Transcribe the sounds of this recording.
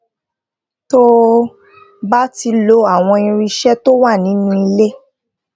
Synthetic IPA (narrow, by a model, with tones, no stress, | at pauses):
to˦ | ba˦ti˧lo˧a˦˨w̃ɔ̃˧ĩ˧ɾi˧ʃɛ˦to˦wa˦˨nĩ˨˦nũ˦˧i˧le˦